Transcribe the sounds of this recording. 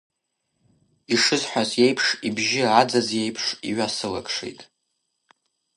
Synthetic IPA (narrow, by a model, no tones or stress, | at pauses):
iʂɨzħʷazje̞jpʰʂibʒɪrʕad͡zazje̞jpʰʂḭɥasɨla̰kʼʂḛjtʼ